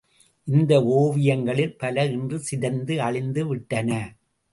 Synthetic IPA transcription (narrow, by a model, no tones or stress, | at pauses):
ʔɪnd̪ɐoːʋɪjɐŋɡɐɭɪlpɐlɐɪndrɯsɪðɐnd̪ɯɐɭɪnd̪ɯʋɪʈːɐnɐ